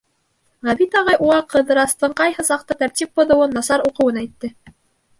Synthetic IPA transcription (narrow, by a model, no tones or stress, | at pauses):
ʁæβit̪ɑʁɑjʔuʁɑqɤ̆ðɤ̆ɾɑst̪ɤɴqɑjhɤsɑq̚t̪ɤt̪æɾt̪ʲip̚bŏðɤ̆wɤnːɑsɑɾuqɤ̆wɤnæjt̪ːɘ